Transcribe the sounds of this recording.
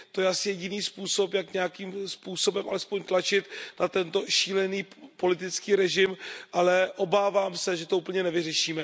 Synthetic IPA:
t̪o̞jɛʔasɪjɛɟɪniːspuːso̞pjakɲɛakiːmspuːso̞bɛmʔa̰lɛspo̞ɲt̪lat͡ʃɪt̪nat̪ɛnt̪o̞ʃiːlɛniːpo̞lɪt̪̬ɪt͡skiːɾɛʒɪmʔalɛʔo̞baːvaːmsɛʒɛt̪o̞uːpl̩ɲɛnɛvɪr̝ɛʃiːmɛ

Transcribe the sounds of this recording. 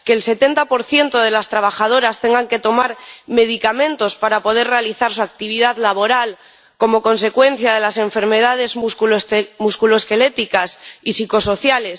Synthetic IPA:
keːlse̞t̪e̞nt̪apo̞ɾθje̞nt̪o̞ð̞e̞last̪ɾaβ̞axað̞oɾast̪e̞ŋɡaŋke̞t̪o̞maɾme̞ð̞ikamẽ̞nt̪o̞spaɾapo̞ð̞e̞ɾre̞aliθaɾs̬uak̚t̪iβ̞iðaðlaβo̞ɾal | ko̞mo̞ko̞ns̬e̞kwe̞n̟θjaðe̞lase̞ɱfe̞ɾme̞ð̞að̞e̞zuskulmuskuloeske̞le̞t̪ikasisiko̞so̞θjale̞s

